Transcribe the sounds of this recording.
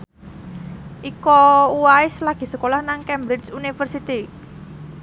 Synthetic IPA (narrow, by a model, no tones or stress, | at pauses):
ʔikɔuaɪslaɡ̥i̤səkolahnaŋkɛmbɾɪt͡ʃunifərsit̪i